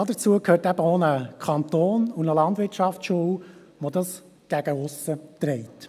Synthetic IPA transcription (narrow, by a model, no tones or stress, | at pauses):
ɑd̪ət͡suəkʰhøːɾtæb̥əonəkʰɑnt̪oːnunəlɑnd̪vʋɪt͡ʃɑft͡sʃuəw | ʋod̪ɑs | ɡ̥æɡ̥əʊsət̪ɾɛɪt